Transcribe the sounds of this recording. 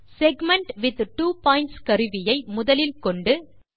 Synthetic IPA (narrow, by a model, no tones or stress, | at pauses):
sɛɡmɛɳʈʋɪðʈuːpaːɪ̃ɳʈskɐɾɯʋɪjɐɪmʊðɐlɪlkɔɳɖɯ